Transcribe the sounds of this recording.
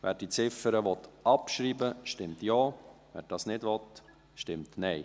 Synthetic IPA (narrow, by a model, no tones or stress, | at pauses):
ʋæ̰ːɾd̥it͡sɪfəɾəʋɔt̪ɑpʃɾiːbəʃtɪmt̪jɑːʋɛ̰ːɾd̥ɑːsnɪdʋɔt̪ | ʃtɪmtnɛɪ